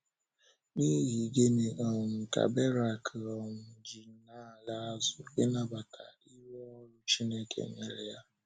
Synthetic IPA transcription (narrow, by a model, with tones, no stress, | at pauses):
ni˦ɦi˨ɡe˦ne˨ʔɔ˨m̩˨ka̰˨be˦ɾa˦˨kʰɔ˨m̩˦d͡ʒi˨˦na˦˨la˦a˦zʊ˨ɪ˦na˦ba˨kʰa̰˨ | i˦we˦ɔ˦ɾʊ˦t͡ʃi˦ne˦kḛ˨ŋ̩˦ŋe˨ɾe˨ja˦